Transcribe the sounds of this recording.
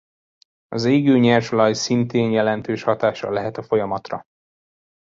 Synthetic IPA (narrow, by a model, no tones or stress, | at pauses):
ɒzeːɡøːɲɛrʃolɒjsint̪eːnjɛlɛnt̪øːʃhɒt̪aːʃɒ̰lɛɦɛt̪ɒfo̞jɒmɒt̪rɒ